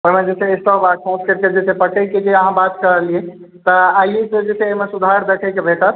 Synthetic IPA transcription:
oɦimed͡ʒesʰeesʈɔpakʰõskeɾked͡ʒesepəʈeked͡ʒeəɦãbat̪kəɾəlie | t̪ɔajised͡ʒesʰeoɦmesud̪ʱaɾd̪ekʰəjkebʱeʈət̪

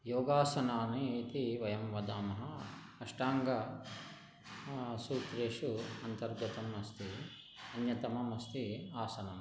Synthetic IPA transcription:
joːɡaːsɐnaːniːt̪iʋɐjɐmʋɐd̪aːmɐɦɐ | ɐʂʈaːŋɡɐ | suːt̪ɾeːʂuɐnt̪ɐɾɡɐt̪ɐmɐst̪ʰi | ɐnjɐt̪ɐmɐmɐst̪iaːsɐnɐm

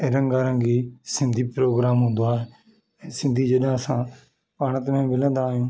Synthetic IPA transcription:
eɾə̃ŋɡaːɾə̃ŋɡiːsɪ̃nd̪iːpɾoːɡɾaːmɦʊ̃nd̪aːɛː | sɪnd̪ʱiːd͡ʒəɗãːəsãː | paːɽ̃ə̃t̪mɛ̃ːmɪlãːd̪əãːjõː

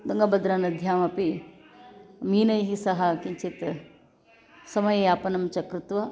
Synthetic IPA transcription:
d̪ɐŋɡɐbɐd̪ɾɐnɐd̪ʱjaːmɐpi | miːnɐjɦisɐɦɐkiɲt͡ʃit̪ | sɐmɐjeaːpɐnɐmt͡ʃɐkɾɪt̪ʋɐ

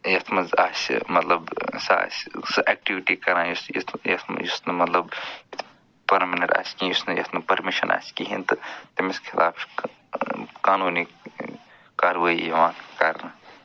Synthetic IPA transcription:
jɐt̪ʰmɐzaːsmɐt̪lɐbsa̰ːssʔɛk̚ʈiʋiʈikɐɾajisjḭt̪ʰjɐt̪ʰm̰jisnɐmɐt̪lɐbit̪ʰ | pɐɾminẽɳʈa̰ːskijusnɐjɐ̰t̪ʰmɐpɐɾmiʃɐnʔa̰ːskiɦint̪ɨt̪imiskʰilʔa̰ːpʰ | kaːnuːni | kaːɾʋaijɐʋãːkaɾna

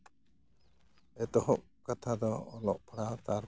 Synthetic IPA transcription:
ɛt̪ɔhɔʔ | kat̪ʰad̪ɔɔlɔʔpʰɽat̪aɾ

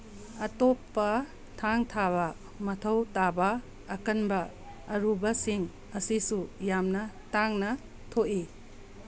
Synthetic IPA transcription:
ɐtopːɐ | tʰaŋtʰaβɐ | mɐtʰɐwtabɐː | kɐnbɐː | ɾubɐsiŋ | ɐsisujamnɐtaŋnɐ | tʰoʔi

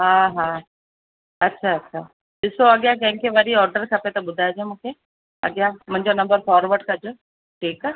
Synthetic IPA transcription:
ɦaɦã | ɐtːɕʰaɐtːɕʰa | ɗɪsoɐɠjakɐ̃ɦɪ̃ŋkʰeʋɐɾiɔːɾɖəɾkʰɐpet̪ɐɓʊd̪ʱajd͡ʑemũːkʰe | ɐ̰ɠjãmʊ̃ɪɲd͡ʑonɐ̃mbəɾfɔːɾʋəɾɖkɐd͡ʑo | ʈʰiːka

